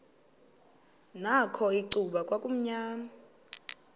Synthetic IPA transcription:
nakʰɔiǀuɓakʼwakʼum̩ɲaːma

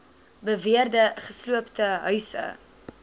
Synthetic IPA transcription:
bəviərdəχəsluəptəɦœɥsə̰

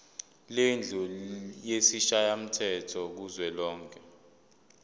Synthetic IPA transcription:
lend͡ɮʱɔjesiʃajam̩tʰɛtʰɔk̬uzwɛlɔːŋkʰʼɛ

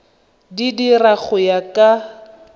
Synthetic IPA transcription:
didiraɣʊjakʼa

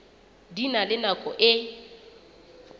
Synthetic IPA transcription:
dinalɪnakʼɔʔɪ

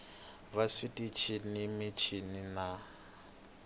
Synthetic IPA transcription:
βasitʼit͡ʃʰinimit͡ʃʰinina

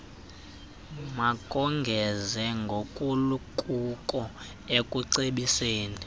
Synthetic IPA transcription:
makʼɔŋɡʱɛzɛŋɡʱokʼulukʼukʼɔ | ekʼuǀeɓiseːni

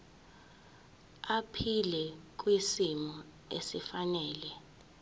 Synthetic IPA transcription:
apʰilɛk̬wisimɔ | ḛsifanɛːlɛ

